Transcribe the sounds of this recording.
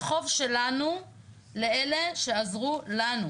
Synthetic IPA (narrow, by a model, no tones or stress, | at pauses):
χo̞vʃelanu | leele̞ʃe̞azʁulanu